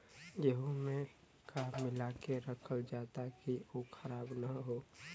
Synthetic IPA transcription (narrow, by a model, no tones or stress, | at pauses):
jəɦumẽ | kamɪlakeɾəkʰəld͡ʒaːt̪akiokʰəɾaːbnaɦoː